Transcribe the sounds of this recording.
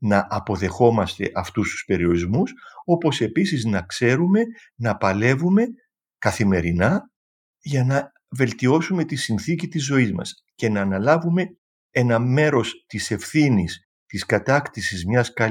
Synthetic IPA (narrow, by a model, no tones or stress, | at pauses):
nɐʔɐpo̞ðe̞xo̞mɐst̪e̞̰ʔɐft̪ust̪u̥spe̞ɾio̞ɾizmuso̞po̞se̞pisiznɐkse̞ɾume̞nɐpɐle̞vume̞ | kɐθime̞ɾinɐ | ʝɐnɐ | ve̞lt̪io̞sume̞t̪isinθicit̪izo̞izmɐ̰s | ce̞nɐːnɐlɐvume̞ | e̞nɐme̞ɾo̞st̪ise̞fθinis | t̪iskɐt̪ɐkt̪isizmɲɐskɐ